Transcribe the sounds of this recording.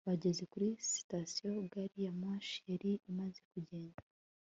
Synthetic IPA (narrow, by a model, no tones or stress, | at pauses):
βaɟe̞ze̞kuɾisi̥tasijo̞ɡaɾijamaʃijaɾiimaze̞kuɟe̞ːnda